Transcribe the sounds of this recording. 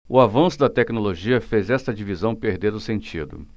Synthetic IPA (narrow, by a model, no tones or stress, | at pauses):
ʊavɐ̃sʊd̪ɐt̪ɛknoloʒiɐfezɛst̪ɐd͡ʒivizɐ̃w̃peɾd̪eɾʊsẽnt͡ʃid̪ʊ̰